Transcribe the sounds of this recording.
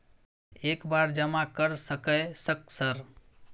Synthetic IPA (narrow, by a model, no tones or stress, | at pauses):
ekbaɾd͡ʒəmakəɾsəkəsək̚səɾ